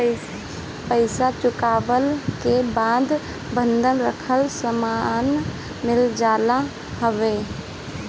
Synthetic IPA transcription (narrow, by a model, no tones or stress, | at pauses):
pəɪsat͡ʃʊkaːʋəlkebaːd̪ | bə̃nd̪ʱənɾəkʰəlsəman | mɪld͡ʒaːla | ɦəʋeː